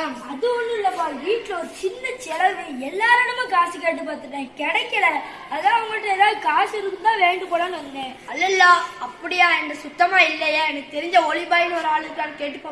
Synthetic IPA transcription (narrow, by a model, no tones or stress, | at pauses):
aɐðɯɔnːɯɪlːɐmːaːʋiːʈːlɐɔɾɯt͡ʃɪnːɐt͡ʃɛlɐʋeɛlːaːɾɐnɐmẽːkaːsɯkeːʈ̬ːɯp̬aːt̪ɯʈːẽːkɛɽɐkːɐɾaɾɐ | ɐðãːɐɐŋɡɐʈːɐɛːðaːðɯkaːsɪɾɯkːɯnt̪ãːʋeːɳɖɯpoːɽaːnɯʋɐnɡẽːɐlːɐlːaːɐpːɐɽɪjaːɛndɐsʊt̪ːɐmaːɪlːɐjeːɛnɐkːɯt̪ɛɾɪɲd͡ʒɐɔɭɪbaːjɪnɔɾɯaːɭɯɣɐʈːaːnɐkeːʈːɯpːoː